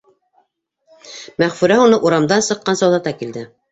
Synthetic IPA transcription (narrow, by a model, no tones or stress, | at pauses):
mæʁfʉɾæunɤʔuɾɑmd̪ɑnsɤ̆qːɑnsɑwðɑt̪ɑkild̪ɘ